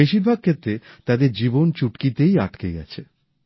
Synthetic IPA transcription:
eʃiɾbʱaɡ̚kʰet̪ːɾet̪ad̪eɾd͡ʑibont͡ɕuʈkit̪eja̰ʈkeɡɛ̰t͡ɕʰe

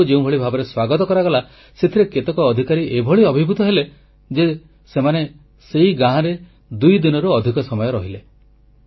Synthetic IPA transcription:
d͡ʒeũbʱɔɭibʱabɔɾeswaɡɔt̪ɔkɔɾaɡɔla | set̪ʰiɾeket̪ekɔːd̪ʱikaɾiʔebʱɔɭiɔbʱibʱut̪ɔɦele | d͡ʒe | semane | seɦiɡãɦãɾe | d̪ujd̪inɔɾuɔd̪ʱikɔsɔmɔjɔɾɔɦile

